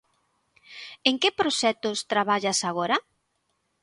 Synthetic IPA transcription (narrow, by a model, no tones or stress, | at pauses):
eŋkɪpɾoʃɛt̪ʊst̪ɾaβaʎasaɣ̞oɾɐ